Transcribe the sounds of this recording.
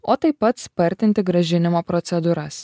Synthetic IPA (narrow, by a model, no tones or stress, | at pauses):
ot̪ejpət̪sʲpərʲt̪ʲɪnt̪ʲeɡɾəʒinʲɪmapɾot̪sʲɛd̪uɾasʲ